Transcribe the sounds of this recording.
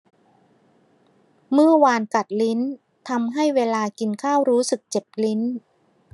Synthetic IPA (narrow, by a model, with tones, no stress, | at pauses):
mɯ˥˩ɐwaː˧nka˨˩t̪̚li˦˥n | t̪ʰa˧mɦa˥˩jweː˧laː˧ki˧nkʰaː˥˩wɾuː˦˥sɯ˨˩k̚t͡ɕe˨˩p̚li˦˥n